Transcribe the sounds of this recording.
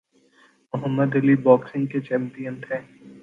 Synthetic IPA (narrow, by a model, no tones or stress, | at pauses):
mʊɦəmːəd̪ɐlibɔːksɪ̃ŋɡket͡ʃɛ̃ːmpijənt̪ʰɛ̃ː